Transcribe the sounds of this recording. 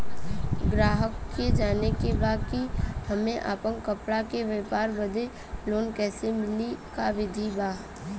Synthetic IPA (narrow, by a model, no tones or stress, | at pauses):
ɡɾaːɦəkːed͡ʒaːnekebaːkihɐmẽʔa̰ːpəŋkəpɽakeʋeːpaːɾbəd̪ʱe | loːnkɛːsemɪlikaʋɪd̪ʱibaː